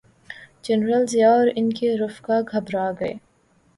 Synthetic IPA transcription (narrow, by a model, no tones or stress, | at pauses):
d͡ʒɛnɾəlzjaɔːɾɪnkeɾʊfkaɡʱɐbɾaːɡɐḛː